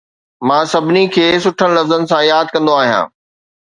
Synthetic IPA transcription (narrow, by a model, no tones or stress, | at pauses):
mãːsɐbʱɪnikʰeːsʊʈʰəñ̆lɐfzənɪ̆sãjaːd̪̚kɐ̃nd̪oaːɦijã̰ː